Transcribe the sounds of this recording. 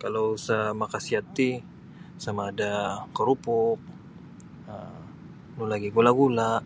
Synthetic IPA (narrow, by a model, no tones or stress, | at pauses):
kalousamakasiat̪i | samaːdakəɾupʊp̚ | ə | nulaɡiɡulaɡulaʔ